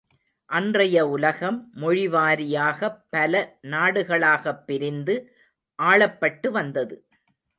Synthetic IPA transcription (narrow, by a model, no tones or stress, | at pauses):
ʔɐndrɐjɐʊlɐɣɐmːʊɻɪʋaːɾɪjaːɣɐpːɐlɐnaːɽɯɣɐɭaːɣɐpːɪɾɪnd̪ɯ | ʔaːɭɐpːɐʈːɯʋɐnd̪ɐðɯ